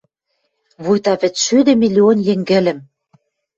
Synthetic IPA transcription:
βujt̪ɑβɘ̆t͡sʃyd̪ɘ̆milʲionjĕŋɡɘ̆lɘ̆m

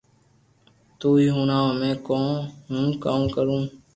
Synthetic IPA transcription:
t̪uːiːɦuːnãːmẽːkõːnɦũnkaːmkəɾũː

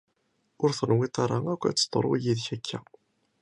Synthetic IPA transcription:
ʊɾθənwit̪ˤɑɾˤɑækʷːæ̰t͡sːə̥t̪ˤːo̰ɾˤw̰ijiðçækʰːæ

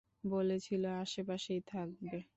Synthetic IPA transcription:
bolet͡ɕʰiloaʃepaʃijt̪ʰak̚be

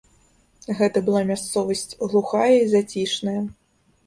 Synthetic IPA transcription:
ɣɛt̪ɐbɨlˠamʲast̪sɔvɐsʲt͡sʲɣlˠuxajɐizat͡sʲiʂnɐjɐ

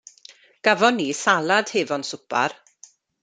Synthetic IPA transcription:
ɡ̥avɔnːisalˠad̥heːvɔnsʊpʰa̰r

